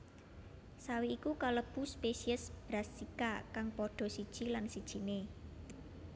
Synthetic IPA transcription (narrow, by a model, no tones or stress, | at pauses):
sawiːkukaləb̥ṳspesiəsb̥ɾasikakaŋpoɖ̪̥ɔ̤sid̥ʒ̥ilansid̥ʒ̥i̤ne